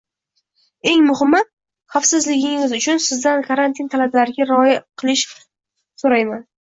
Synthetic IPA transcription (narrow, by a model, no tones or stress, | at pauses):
e̞ŋmʊhɪmːat̪ | χafsɪzlɪɡʲɪŋɪzʊt͡ʃʰʊnsɪzd̪ankʰaɾant̪ʰint̪ʰalablaɾɪɡʲaɾɒjɪqʰɨlˠɪʃ | soɾajman